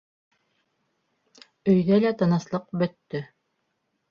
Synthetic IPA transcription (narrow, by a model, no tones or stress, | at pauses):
ɵ̆jðælæt̪ɑnɑslˠɤqbɵ̆t̪ːɵ